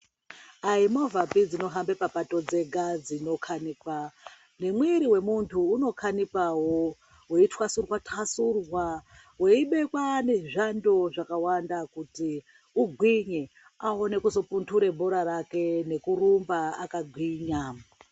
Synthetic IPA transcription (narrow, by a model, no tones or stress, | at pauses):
aimo̞vapid͡zino̞ɦambepapato̞d͡ze̞ɡʱad͡zino̞kʰanikwa | nemweɾiwe̞muntʰuːno̞kʰanipawo | weitwasurwatʰasurwa | weiɓe̞kwane̞ʐando̞ʐakawandakuti | uɡʱwiɲe | aone̞kuzo̞puntʰuɾe̞bʱoɾaɾake̞ne̞kuɾumbaakaɡʱwiɲa